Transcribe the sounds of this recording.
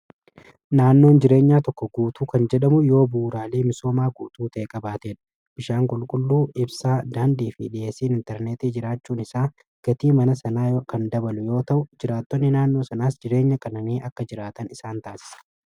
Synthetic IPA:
naːnːo̞ːnd͡ʒɪɾe̞ːɲːaːt̪ɔkːɔɡuːt̪uːkɐnd͡ʒɛɗɐmʊjo̞ːbuːɾaːleːmɪso̞ːmaːɡuːt̪uːt̪ɐːkʼɐbaːt̪eːᶑɐ̥ | b̥ɪʃaːŋkʼʊlkʼʊlːuːɪbsaːd̪aːnd̪iːfḭᶑɪʔeːsiːnɪnt̪ɛɾneːt̪iːd͡ʒɪɾaːt͡ʃːuːnɪsaː | ɡ̥ɐt̪iːmɐnɐsɐnaːjkɐnd̪ɐbɐlʊjo̞ːt̪ɐʔʊd͡ʒɪɾaːt̪ːɔnːɪnaːnːo̞ːsɐnaːsd͡ʒɪɾe̞ːɲːɐkʼɐnɐniːʔɐkːɐd͡ʒɪɾaːt̪ɐnɪsaːnt̪aːsɪ̥sɐ̥

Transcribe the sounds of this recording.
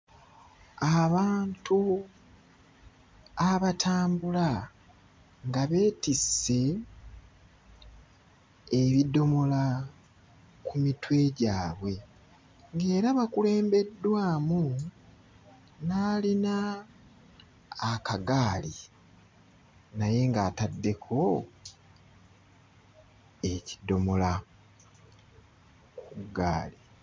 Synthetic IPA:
aβaːntu | aβatʰaːmbula | ŋɡaβe̞ːtise̞ | βido̞mola | kumitwe̞ɟaːβwe̞ | ŋɡe̞ːɾaβakule̞ːmbe̞dːwaːmu | naːlina | kaɡaːli | naje̞ŋɡaːtadːe̞kʰo̞ | e̞ci̥do̞mola | kuɡa̰ːli

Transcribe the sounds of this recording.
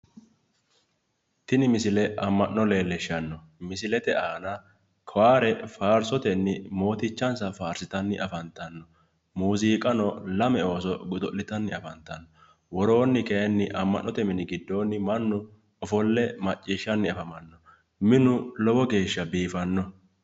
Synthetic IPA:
t̪ɪnɪmɪsɪlɛʔɐmːɐʔnːɔle̞ːlːɛʃːɐnːɔ | mɪsɪlɛt̪ɛʔaːnɐ | kʰɐwaːɾɛfaːɾsɔt̪ɛnːɪmo̞ːt̪ɪt͡ʃːɐnsɐfaːɾsɪt̪ɐnːɪʔɐfɐnt̪ɐnːɔ | muːziːkʼɐnɔlɐmɛo̞ːsɔɡʊd̪ɔʔːɪt̪ɐnːɪɐfɐnt̪ːɐnːɔ | wɔɾo̞ːnːɪkɛɛnːɪʔɐmːɐ̰ʔːɔt̪ɛmɪnɪɡɪd̪ːo̞ːnːɪmɐnːʊ | ɔfɔlːɛmɐt͡ʃʼːiːʃːɐnːɪɐfɐmɐnːɔ | mɪnʊlɔbɔɡe̞ːʃːɐbiːfɐnːɔ

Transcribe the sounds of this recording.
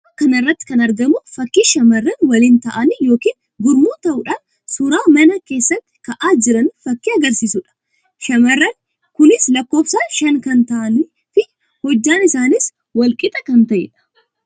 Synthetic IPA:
ɐkɐnɪrːɐt̪ːɪ̥kɐnɐɾɡɐmʊfɐkːiːʃɐmɐrːɐnwɐliːnt̪ɐʔɐnijo̞ːkiːn | ɡʊɾmuːt̪ɐʔʊᶑaːn | sʊɾaːmɐnɐke̞ːsːɐt̪ːɪ̥kɐʔaːd͡ʒɪɾɐnfɐkːiːɐɡɐɾsiːsʊᶑɐ̥ | ʃɐmɐrːɐn | kʊnɪslɐkːo̞ːfsaːʃɐŋkɐnt̪ɐʔɐn | fɪ | hɔd͡ʒːaːnɪsaːnɪs | wɐlkʼɪt̪ʼɐkɐnt̪ɐʔɪ̰ᶑɐ̥

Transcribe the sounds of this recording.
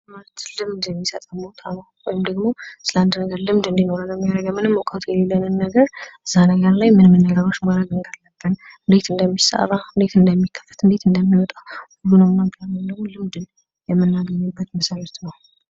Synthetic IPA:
malt̪lɨmd̪jɛmːisət̪ʼamot̪ʰʼanəwwɔjɪmd̪əɡmosɨləand̪nəɡəɾlɨmd̪ɨnd̪ino̞ɾaləmːijaɾəɡmːɨnɨmːokʼat̪ʰjɛlelːənɨnːəɡəɾʔɨzːanəɡəɾlajmɨnmɨnːəɡəɾwo̞t͡ʃːmaɾəɡɨnɡalːəb̥ːən | ɨnd̪et̪ʰɨnd̪əmːisa̰raɨnd̪e̞t̪ɨnd̪əmːikʰːə̥fːə̥t̪ʰɨnd̪e̞t̪ʰɨnd̪əmːiwɔt̪ʼawhulːunəwmnamt̪ʰanəmd̪əɡmolɨmd̪ɨn | jɛmːɨnːaɡəɲːubːət̪məsajɛt̪nəw

